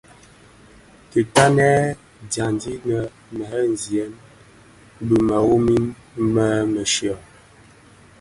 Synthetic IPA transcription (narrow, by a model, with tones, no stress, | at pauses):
ki˨ta˦nɛ˦ | da˨ndi˦nə˨ | mɛ˨˦n˨zjɛ˨˦n | bu˨ma˨wo˦mi˦nmə˦mə˨ʃjɔ˨